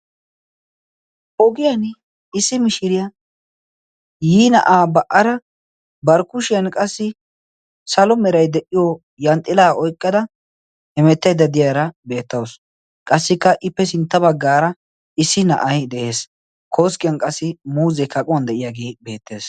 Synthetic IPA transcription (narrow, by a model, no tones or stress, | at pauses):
ʔɔɡɪjɐn | ɪsːɪmɪʃɪɾɪja | jiːnɐ̰ʔaːbɐʔɐɾɐ | bɐɾkʊʃɪjɐnkʼɐsːɪ | sɐlɔmɛɾɐjd̪ɛʔɪjo | jɐnt̪ʼɪlaːʔɔjkʼːɐd̪ɐ | hɛmɛt̪ːɐjd̪ɐd̪ɪjaːɾɐbe̞ːt̪ːɐws | kʼɐsːɪkːɐʔɪpːɛsɪnt̪ːɐbɐɡːaːɾɐ | ɪsːɪnɐ̰ʔɐjd̪ɛʔe̞ːs | kʰo̞ːskʼɪjɐnkʼɐsːɪmuːzɛkɐkʼʊwɐnd̪ɛʔɪjaːɡe̞ːbe̞ːt̪ːe̞ːs